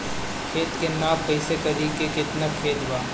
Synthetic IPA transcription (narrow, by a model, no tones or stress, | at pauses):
kʰeːt̪kenaːpɐɪsek̪ɐɾiːkekɪt̪nakʰeːd͡ʒʋaː